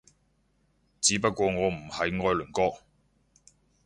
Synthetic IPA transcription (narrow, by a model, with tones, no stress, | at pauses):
t͡siː˨˥pɐ˥t̚kʷɔː˧ŋɔː˨˧m̩˨˩hɐ˨jŋɔː˧jlɵ˨˩nkɔː˥k̚